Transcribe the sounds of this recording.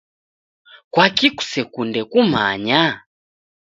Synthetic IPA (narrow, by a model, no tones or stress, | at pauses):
kwakiku̥sɛkundɛkuma̰ɲa